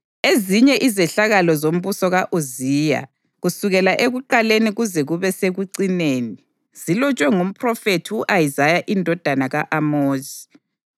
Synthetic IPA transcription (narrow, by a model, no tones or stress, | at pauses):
eziɲɛʔizɛɬaɣalɔzom̩βusɔɣaʔoziːja̰ | ɣusuɣɛlaʔeɣuǃaleniɣuzɛɣuβɛseɣuǀineːni | z̥ilɔt͡ʃʼwɛŋum̩pʰrɔfetʰiuʔajizajaʔindʱɔd̥ʱanaɣaʔamoːzi̥